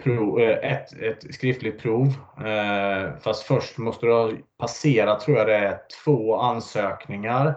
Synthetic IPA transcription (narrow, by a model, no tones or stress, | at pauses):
pʰɾuːʔɛt̪ɛt̪skɾɪft̪lɪɡt̪̚pʰɾuːv | fast̪fœʂʈmɔst̪əd̪pʰaseːɾat̪ʰɾuːɾjad̪ɛætʰv̥oːansøːknɪŋaɾ